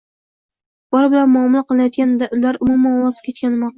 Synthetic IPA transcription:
b̥ɒɾbɪlanmʊɒmʊlˠqɨlˠɪnajɒt̪̚ɡʲanaʊlaɾʊmummanɒwɒzkʲʰet͡ʃkʲanɪmɑ

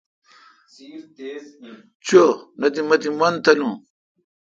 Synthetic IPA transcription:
t͡ɕonɐt̪imɐt̪imɐnt̪ɐlũ

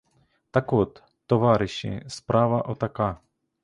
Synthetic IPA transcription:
t̪ɐkɔt̪ː | ɔʋɑɾɪʃɪ̰spɾɑʋɐʔɔt̪ɐkɑ

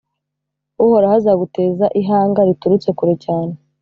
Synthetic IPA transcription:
uhoɾahazaɡute̞ːzaʔiɦaːŋɡaɾituɾut͡se̞kuɾe̞caːne̞

